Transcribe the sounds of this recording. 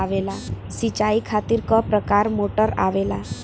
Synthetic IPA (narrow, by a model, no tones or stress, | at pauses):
aʋela | sit͡ɕaikʰat̪iɾkɔpɾəkaɾmoʈəɾa̰ʋela